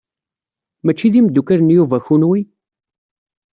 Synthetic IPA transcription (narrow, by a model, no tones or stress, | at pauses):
mæt͡ʃːiðimd̪ːukəɾənjuvæçunwi